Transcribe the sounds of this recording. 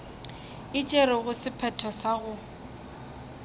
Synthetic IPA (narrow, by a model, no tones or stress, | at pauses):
ɪt͡ʃʼeɾɪɣʊsɪpʰɛtʰɔsaɣʊ